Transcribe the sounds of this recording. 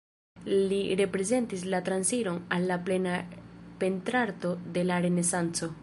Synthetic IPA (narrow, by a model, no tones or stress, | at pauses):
liɾe̞pɾe̞ze̞ntislatɾansiɾo̞nalːaple̞nape̞ntɾaɾto̞de̞laɾe̞ne̞sant͡so̞